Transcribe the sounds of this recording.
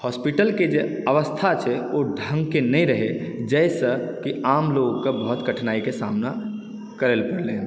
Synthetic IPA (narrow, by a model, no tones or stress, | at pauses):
hɔːspiʈəlked͡ʒe | əʋəst̪ʰat͡ʃʰɛoɖʱə̃ŋɡkenəĩɾəɦed͡ʒɛɪsəkiaːmloɡkebəɦʊt̪ɡəʈʰnaːikesaːmna | kəɾelpəɽlẽː